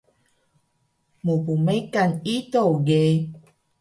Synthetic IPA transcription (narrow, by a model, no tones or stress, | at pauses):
mupumejkanit̪oɡe